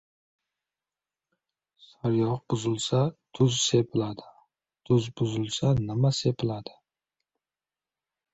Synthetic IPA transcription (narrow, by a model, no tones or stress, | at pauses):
saɾjɒq̚bʊzɪlˠsat̪ʰʊzsepʰɪlad̪ɪ | t̪ʰʊzbʊzɪlˠsanɪmase̞pʰɪlad̪ɪ̥